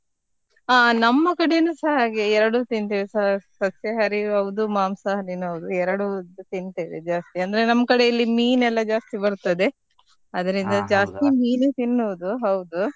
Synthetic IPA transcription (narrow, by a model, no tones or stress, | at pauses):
aːnɐmːɐkɐɽenusɐɦɐaːɡeɛɾɐɽut̪int̪iʋesɐɦɐsɐsjɐɦɐɾiɦɐwd̪umaːmsɐɦɐɾinɦɐʋud̪uɛɾɐɽut̪int̪id̪ed͡ʒaːst̪iɐnd̪ɐɾenɐmːɐkɐɽe̞ilːimiːnɛlːɐd͡ʒaːst̪ibɐɾut̪ɐd̪e̞ | ɐd̪ɐɾind̪ɐd͡ʒaːst̪imiːlit̪inːuʋud̪uɦɐwd̪u